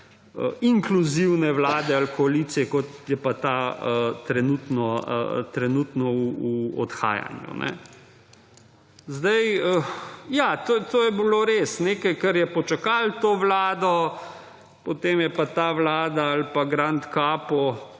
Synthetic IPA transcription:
ə̰iŋkluziwnɛʋlaːd̪ɛalkɔaliːt̪sijɛkɔt̪jɛpat̪aət̪ɾɛnut̪nɔə̰t̪ɾɛnuːt̪nɔuuɔ̰t̪xa̰ːja̰njṵnʔɛ̰ | zd̪ɐjəjat̪oːt̪oːjɛbiloɾeːsneːkɐjkɐɾjɛpɔt͡ʃakalt̪oːʋlaːd̪ɔ | pɔt̪eːmjɛpat̪aʋlaːd̪aalpaɡɾant̪kaːpɔ

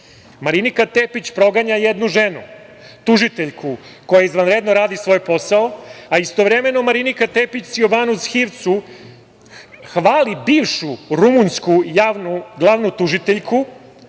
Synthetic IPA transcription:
maɾinikat̪epit͡ɕpɾo̞ɡaɲajed̪nuʒenu | t̪uʒit̪eʎkʰuko̞jaizʋanɾed̪noɾaːd̪isʋo̞jpo̞saoaist̪o̞ʋɾeme̞no̞maɾinikat̪epit͡ɕsioʋaːnusxiʋt̪su | xʋaːlibiːʋʃuɾumunskujanuɡlˠaʋnut̪uʒit̪eʎkʰu

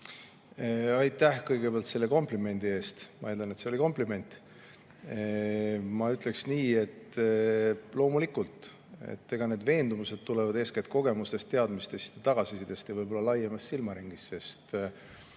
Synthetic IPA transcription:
ɑjt̪ːˑæhkɤjɡ̥e̞peɑlt̪se̞lːe̞ko̞mplime̞nʲd̪̥ie̞ːst̪mɑ̰et̪lɑnet̪se̞o̞liko̞mplime̞nʲt̪ˑ | mɑyt̪ˑle̞ksniːe̞t̪ | lo̞ːmulikult̪ˑ | ḛt̪ːe̞ɡ̥ɑne̞ːd̪ve̞ːnd̪umuse̞d̪̥̚t̪ulevɑd̪e̞ːsket̪̚ko̞ɡ̥e̞must̪e̞st̪ːe̞ɑd̪mist̪esi̥t̪ːet̪ɑɡ̥ɑsisid̪̥e̞st̪jɑvɤjbo̞lːɑlɑjːemɑssilmɑɾiŋɡ̥isse̞st̪

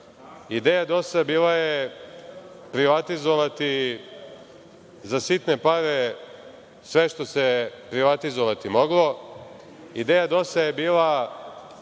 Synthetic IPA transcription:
id̪eːjad̪o̞sabiːlaje | pɾiʋat̪izoʋat̪i | zasit̪ne̞paɾe̞ | sʋe̞ʃt̪o̞sepɾiʋat̪izoʋat̪imo̞ɡlˠo̞ | id̪eːjad̪o̞sajebiːla

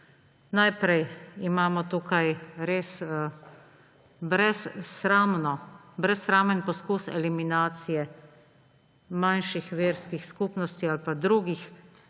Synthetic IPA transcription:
najpɾɛjimaːmɔt̪ukajɾeːs | bɾɛsɾamnɔbɾɛsɾaːmənpɔskusɛ̰liminaːt̪sijɛ | manʃixʋeːɾskixskuːpnɔst̪ialpad̪ɾuːɡix

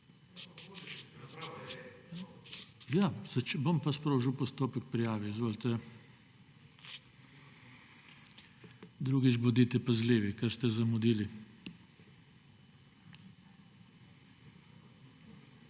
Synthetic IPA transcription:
jazɐt͡ʃbompaspɾoːʒiwpɔst̪oːpɛkpɾijaːʋɛzʋoːlt̪ɛ | d̪ɾuːɡit͡ʃbɔd̪iːt̪ɛpɐzleːʋikɐɾst̪ɛzɐmud̪iːli

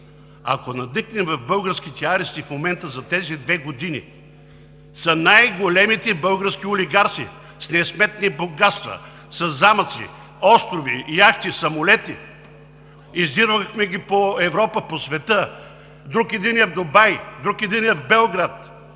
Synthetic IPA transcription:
a̰konɐd̪niknɛmvɐvbɤlˠɡəɾskit̪ɛaɾɛst̪ifmomɛnt̪əzɐt̪ɛzid̪vɛɡod̪inḭ | sɐnajɡolɛmit̪ɛbɤlˠɡəɾsk̟ioliɡaɾt̪sḭ | snɛsmɛt̪niboɡat̪st̪vɐ̰ | sɐzːamɐt̪sḭ | ɔst̪ɾovḭjakt̪isɐmolɛt̪i | izd̪iɾvəxmɛɡʲipoɛvɾɔpəposvɛt̪ə | d̪ɾukid̪inɛvd̪obajd̪ɾukid̪inɛvbɛlˠɡɾat̪

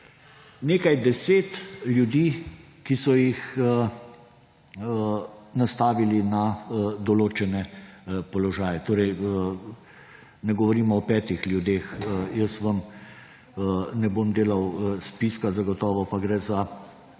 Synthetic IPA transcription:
neːkajd̪ɛseːt̪ljud̪iː | kisɔjix | nast̪aːʋilinad̪ɔloːt͡ʃɛnɛpɔlɔʒaːjɛt̪oːɾɛj | nɛɡɔʋɔɾiːmɔɔpɛːt̪ixljud̪eːxjəsʋəm | nɛboːmd̪eːlawspiskazaɡɔt̪ɔːʋɔpaɡɾɛːza

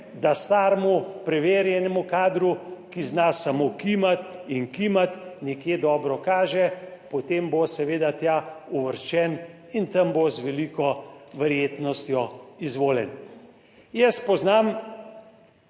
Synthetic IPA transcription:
d̪ast̪aːɾmupɾɛʋeːɾjɛnɛmukaːd̪ɾukiznasamokimat̪inkimat̪nɛkjed̪ɔːbɾɔkaːʒɛpɔt̪embosɛʋeːd̪at̪jaːuʋəɾʃt͡ʃɛn | int̪ɐmbozʋɛliːkɔʋɛɾjeːt̪nɔst̪jɔizʋoːljɛn | jɛspɔznam

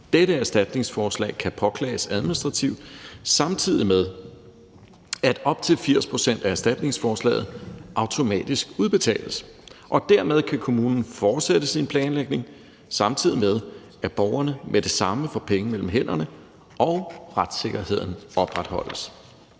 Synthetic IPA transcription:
d̥eɾəæɐsd̥æd̥ne̝ŋsfɒːslɛ̰ɪkʰæpʰɒ̽kʰlɛ̰ːɪsæð̞ˠminisd̥ʁɑ̈t͡sʰiʊd̥sɑ̈mt͡sʰið̞̰ˠimeð̞ˠ | æd̥ɒ̽b̥t͡sʰe̝lfiɐ̰spʰʁo̝sen̰d̥ææɐsd̥æd̥ne̝ŋsfɒːslɛ̰ːɪð̩ˠʔɑ̈ʊt͡sʰo̝mɛ̰ːd̥isɡ̥uðˠb̥e̝t͡sʰɛ̰ːləsʔɒ̽d̥æɐ̰með̞ˠkʰækʰo̝muːnn̩fɒːd̥sed̥əsinpʰlɛːnleɡ̥ne̝ŋ | sɑ̈mt͡sʰið̞̰ˠimeð̞ˠ | æb̥ɒʊɐnəmʔedɾe̝sɑ̈məfɒ̽pʰeŋəmel̰m̩ɦen̰ɐnə | ʔɒ̽ʊʁad̥se̝ɡ̥ɐhe̝ð̞̰ˠn̩ɒ̽b̥ʁad̥hɒ̽l̰əs

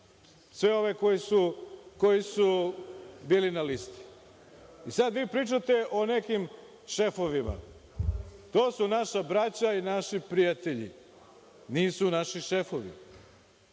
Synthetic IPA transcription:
sʋeo̞ʋekojisuko̞jisu | biːlinalist̪i̥ | isad̪ʋiːpɾiːt͡ʃat̪e̞ʔone̞kim | ʃe̞foʋima̰ | t̪o̞ːsunaʃabɾat͡ɕainaʃipɾijat̪eʎḭ | niːsunaʃiʃefoʋḭ

